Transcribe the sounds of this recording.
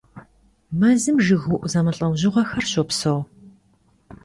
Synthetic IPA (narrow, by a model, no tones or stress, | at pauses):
mɐzɨmʒɨɣuʔʷʊzɐmɐɬʼɐwʑɪʁʷɐxɐrɕɔpsow